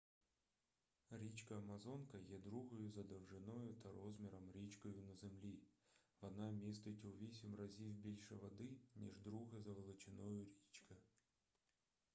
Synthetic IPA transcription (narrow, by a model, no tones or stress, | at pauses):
ɾʲit͡ʃkɐːmɐzɔnkɐjɛd̪ɾuɦɔjʊzɐd̪ɐwʒɪnɔjʊt̪ɐɾɔzmʲɛɾɐmɾʲit͡ʃkɔjʊnɐzemlʲiʋɔnɑmʲis̬t̪ʊtʲʊʋʲisʲimrɐzʲiwbʲilʲʃɛʋɐd̪ɪnʲḭʒd̪ɾuɦɐzɐʋelˠɪt͡ʃɪnɔjʊɾʲit͡ʃkɐ